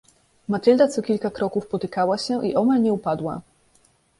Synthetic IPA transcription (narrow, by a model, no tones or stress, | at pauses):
mat̪ɘld̪at̪sɔkʲilkakɾɔkufpɔt̪ɘkawaɕɛʔiʔɔmalɲɛupad̪wa̰